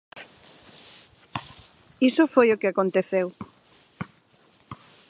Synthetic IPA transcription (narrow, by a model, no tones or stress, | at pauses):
isofojokɪakõnt̪eθew